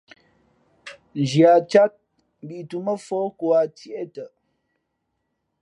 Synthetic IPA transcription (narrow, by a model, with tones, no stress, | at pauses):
n˨d͡ʒja˨t͡ʃa˦t̚ | m˨bi˨ʔtu˨mə˦fo˦ko˨a˨t͡sji˦ʔe˦tə˨